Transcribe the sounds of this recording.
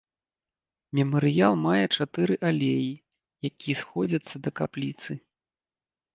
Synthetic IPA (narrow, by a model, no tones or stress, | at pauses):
mʲɛmɐɾɨjalˠmajɛt͡ʂat̪ɨɾɨʔalʲeji | jakʲijɛsxɔd͡zʲɐt̪sːɐd̪ɐkaplʲit̪sɨ